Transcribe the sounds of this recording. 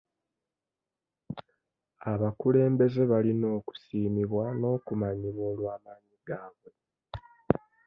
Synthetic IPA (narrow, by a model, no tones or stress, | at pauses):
aβakule̞ːmbe̞ze̞βalino̞ːku̥siːmiβwano̞ːkumaɲiβwo̞ːlwaːmaːɲiɡaːβwe̞